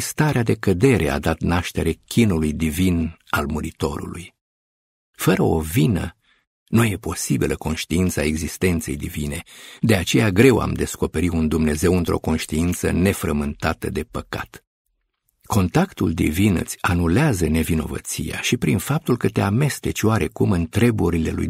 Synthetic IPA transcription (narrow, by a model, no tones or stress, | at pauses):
st̪aɾead̪e̞kəd̪e̞ɾʔe̞̰a̰d̪at̪naʃt̪e̞ɾe̞kʲinulujd̪ivinalmuɾit̪o̞̰ɾṵluj | fəɾəovinə̰ | nuje̞po̞sibilʔəko̞nʃt̪iint̪sae̞ɡzist̪e̞nt̪se̞jd̪ivine̞d̪e̞at͡ʃe̞jaɡɾe̞wa̰md̪e̞sko̞pe̞ɾiund̪umne̞ze̞wɨnt̪ɾʔo̞̰ko̞nʃt̪iint̪sə̰ne̞fɾəmɨnt̪at̪əd̪e̞pəka̰t̪ | ko̞nt̪akt̪uld̪ḭvinɨt̪sʲanuleazəne̞vino̞̰və̰t̪sḭja̰ʃipɾinfap̚t̪ulkət̪e̞ame̞st̪e̞t͡ʃʲwaɾe̞kumɨnt̪ɾe̞buɾile̞̰lṵj